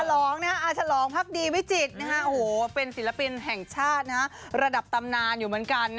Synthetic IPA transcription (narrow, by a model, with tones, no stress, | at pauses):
a˧lɔː˩˦ŋna˦˥ʔaː˧˩t͡ɕʰa˧lɔː˩˦ŋpʰa˦˥˩k̚diː˧wi˦˥t͡ɕi˨˩t̪̚na˦˥kʰa˦˥ʔo˧hoː˨˩˦pe˧nsi˨˩˦la˧pi˧nɦɛ˨˩ŋt͡ɕʰaː˥˩t̪̚na˦˥kʰa˦˥ | ɾa˧da˨˩p̚t̪a˧mnaː˧njuː˨˩mɯ˩˦ənka˧nː